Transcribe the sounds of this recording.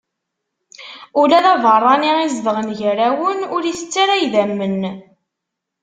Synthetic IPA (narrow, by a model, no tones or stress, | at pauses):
ʊlæðævərˤːɑniizðʁənʝɾæwənʊɾiθət͡sːaɾæjðæmːən